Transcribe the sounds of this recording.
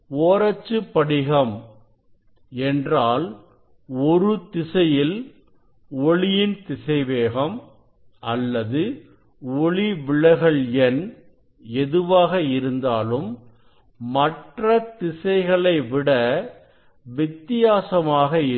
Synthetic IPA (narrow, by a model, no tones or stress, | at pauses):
oːɾɐt͡ʃːɯpːɐɽɪɣɐm | ɛndraːl | ɔɾɯt̪ɪsɐjɪl | ɔɭɪjɪnt̪ɪsɐɪʋeːɣɐm | ʔɐlːɐðɯ | ɔɭiʋɪɭɐɪɣɐɭɛn | ɛðɯʋaːɣɐɪɾɯnd̪aːlɯmː | ɐʈrɐt̪ɪsɐɪɣɐɭɐɪʋɪɽɐ | ʋɪt̪ːɪjaːsɐmaːɣɐɪ